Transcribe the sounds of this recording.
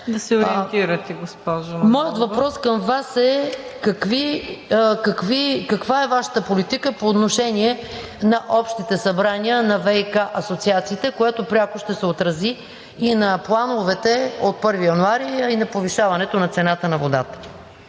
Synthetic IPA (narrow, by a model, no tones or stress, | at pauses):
d̪ɐsɛoɾiɛnt̪iɾɐt̪ɛɡospɔʒomɔjət̪vɐpɾɔskəmvasɛkɐkvi | kɐkvikɐkvaɛvaʃə̥t̪əpolit̪ikəpoːt̪noʃɛniɛ | nɐʔɔpʃt̪it̪ɛsɐbɾaniənɐvɛkaʔɐsot̪siat̪siːt̪ɛkoɛt̪opɾʲakoʃt̪ɛsɛot̪ɾɐziː | nɐplˠanovɛt̪ɛot̪̚pɤɾvijɐnuaɾiɐinɐpoviʃavɐnɛt̪onɐt̪sɛnat̪ənɐvod̪at̪ə̥